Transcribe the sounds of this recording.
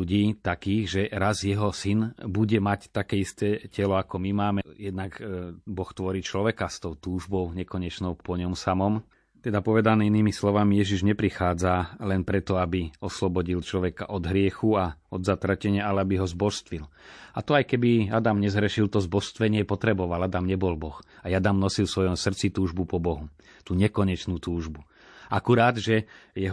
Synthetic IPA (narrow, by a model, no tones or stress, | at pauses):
uɟiːt̪akiːɣʒɛɾazjɛɦɔsinbuɟɛmact̪akɛːist̪ɛːcɛlɔakɔmimaːmɛjɛd̪̚naɡbɔxt̪ʋɔɾiːt͡ʃlɔʋɛkast̪ɔʊt̪uːʒbɔʊɲɛkɔɲɛt͡ʃnɔʊpɔɲɔmsamɔm | t̪ɛd̪apɔʋɛd̪anɛːiniːmislɔʋamijɛʒiʒɲɛpɾixaːd͡zalɛnpɾɛt̪ɔabiɔslɔbɔɟilt͡ʃlɔʋɛkaʔɔd̪ɦɾɪɛxuaɔd̪zat̪ɾacɛɲɪaalɛabiɦɔzbɔʃst̪ʋil | at̪ɔajkɛbiad̪amɲɛzɦɾɛʃilt̪ɔzbɔʃst̪ʋɛɲɪɛpɔt̪ɾɛbɔʋalad̪amɲɛbɔlbɔxajad̪amnɔsilfsʋɔjɔmsr̩t͡sit̪uːʒbupɔbɔɦu | t̪uːɲɛkɔɲɛt͡ʃnuːt̪uːʒbu | ʔakuɾaːd̪ʒɛjɛ